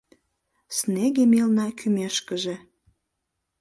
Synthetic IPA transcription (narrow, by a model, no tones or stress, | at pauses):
sneɣemelnɑkʰymeʃkəʒe